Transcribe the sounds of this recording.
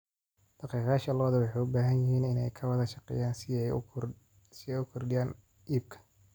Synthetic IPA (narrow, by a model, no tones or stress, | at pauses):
d̪̥ɑqiːqɑːʃɐlɐɐðɐwɑħɑjʊbaːɦɐnjɪɦiːnɪnɛjkʰɐwɐðɐʃɑqɛ̰jaːnɛ | sɪɛjʊkʰɔrɖɪjaːn | ʔiːb̚kʰɐ̥